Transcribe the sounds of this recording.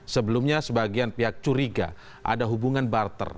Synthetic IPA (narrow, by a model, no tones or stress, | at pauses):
səbəlumɲasəbaɡianpiɦak̚t͡ʃuɾiɡa̰ | ʔa̰daɦubuŋanbart̪ə̰r